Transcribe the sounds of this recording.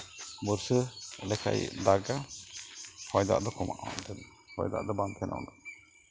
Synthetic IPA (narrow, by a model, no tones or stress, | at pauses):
bəɾsəlɛkʰa̰j̰d̪aɡa | hɔjd̪a̰ʔd̪ɔkʰɔmʔaʔɔ̰d̪ɛn | hɔ̰jd̪a̰ʔd̪ɔbankʰɛnʔa̰wna